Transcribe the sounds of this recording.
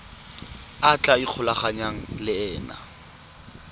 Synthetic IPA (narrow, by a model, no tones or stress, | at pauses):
at͡ɬʼaik͡xʰʊlaχaɲaŋ̩lɪɛːna̰